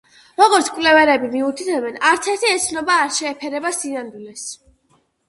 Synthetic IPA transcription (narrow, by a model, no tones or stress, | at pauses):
ɾɔɡɔɾt̪sʰkʼwlɛvɛɾɛbimiut̪ʰit̪ʰɛbɛnaɾt̪sʰɛɾt̪ʰiɛt̪sʰnɔbaːɾʃɛːpʰɛɾɛbasinand̪ulɛs